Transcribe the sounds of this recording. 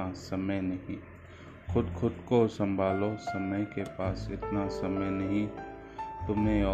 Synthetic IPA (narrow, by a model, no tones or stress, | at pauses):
asɐməjnɐɦĩ | xʰʊd̪kʰʊd̪kosɐ̃mbʱaːlosɐməjkepaːsɪ̰t̪nasɐməjnɐɦĩ | t̪ʊmɦẽɔː